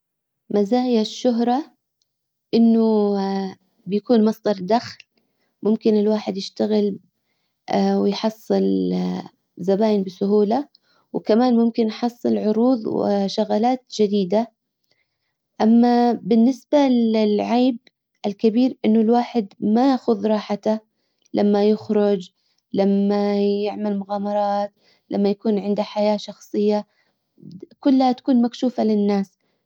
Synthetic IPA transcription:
mazaːjaʃːʊɦɾˤɑ | ʔɪnːʊ | bɪjakuːnmɑsˤd̪ˤɑɾˤd̪axl | mʊmkɪnɪlwaːħɪd̪jɪʃt̪aɣɪl | wɪjħɑsˤːɨl | zabaːjɪnbɪsʊɦuːla | wkamaːnmʊmkɪnjħɑsˤːɨlʕʊɾuːðˤwɪ̰ʃʊɣaːlaːt̪d͡ʒad̪iːd̪a | ʔamːabɪnːɪsbaɪlʕaːb̚ | ʔɪlkabiːɾʔɪnːʊlwaːħɪd̪majaxʊðɾˤɑːħat̪a | lʔamːajʊxɾʊd͡ʒ | lamːajjɪʕmalmʊɣaːmɑɾˤɑːt̪ | lʔa̰mːajakuːnʕɪnd̪aħajaːʃɑxsˤɨjːa | kʊlːhat̪ḁkuːnmakʃuːfalɪnːaːs

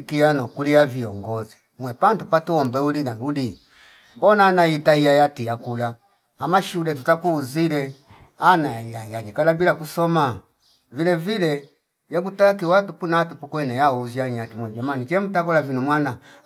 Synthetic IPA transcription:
kianɔkulijaviɔŋɡɔzi | mwɛpantupatuɔmbɛulinauli | ɔnaːnajitaijajatijakulaː | maʃulɛtutakuːzilɛ | anajajaɲikalabilakusɔma | vilɛvilɛ | jakutakiwatupunaatupukwɛnɛjauziaɲɛatimwɛd͡ʒamanit͡ʃɛm̩takɔlavinumwana

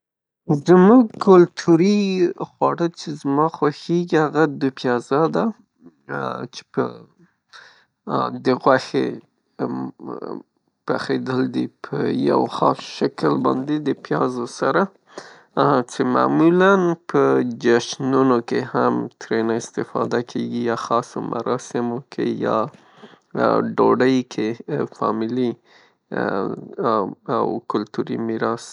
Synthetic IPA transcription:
zəmuɡ̚kʰʊlt̪ʰuɾixwaɽət͡ʃezmɑxwaxeɡihaɣad̪upjɑzad̪a | t͡ʃe̥pə̰ | d̪əɣwaxḛ | paxed̪əld̪ipʰə̰ja̰wxɑ̰ʃakəlbɑ̰nd̪ed̪əpjɑzosaɾã | t͡ʃema̰ːmulanpʰəd͡ʒaʃnunokehamt̪ɾenaɪst̪ɪfɑ̰d̪akʰeɡijɑxɑso̰mʔa̰ɾɑsɪmokʰḛjɑ̰ | ɖoɖəjkʰefɑ̰mɪli | a̰wkʊlt̪uɾḭmiɾɑs

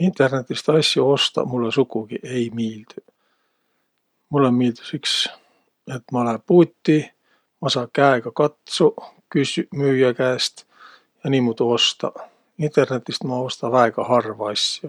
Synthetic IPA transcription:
int̪ˑe̞rne̞t̪ˑːist̪ɑsʲjɑo̞st̪ɑ̰mulːesukuɡ̥iʔe̞jmiːld̪̥y | mulːemiːld̪̥y̥siks | e̞t̪mɑolepuːt̪ːi | mɑsɑːkæeɡ̥ɑkɑt̪sukysymyːjækæːst̪ | jɑniːmut̪uo̞st̪ɑ̰ | int̪e̞rne̞t̪ːˑist̪mɑo̞st̪ɑvæeɡ̥ɑhɑrvɑɑsʲjɑ

